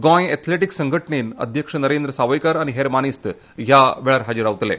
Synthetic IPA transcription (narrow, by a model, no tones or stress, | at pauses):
ɡɔ̃jɛt̪ʰleʈiksəŋɡʱəʈɳenə̰d̪ʱjəkʂənəɾend̪ɾəsaʋəjkaɾañiɦeɾmañist̪ | ɦjaʋeɭaɾɦad͡ʑiɾaʋt̪lḛ